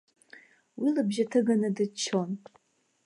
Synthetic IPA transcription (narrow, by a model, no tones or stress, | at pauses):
wilabʒatʰɨɡanadɨt͡ʃʰːo̞n